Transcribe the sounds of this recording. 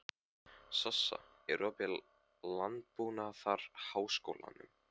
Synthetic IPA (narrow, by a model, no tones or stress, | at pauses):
sasːa̰ | ɛɾɔpɛ | lant̪̚puːnaθaɾ̥haːwsko̰wla̰nʏ̰m